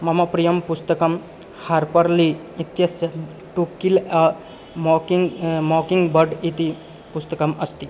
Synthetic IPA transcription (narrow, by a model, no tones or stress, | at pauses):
mɐmɐpɾijɐmpust̪ɐkɐm | haɾpɐɾli | it̪jɐsjɐ | ʈukilɐ | mokiŋmoːkiŋɡbɐɖit̪i | pust̪ɐkɐmɐst̪i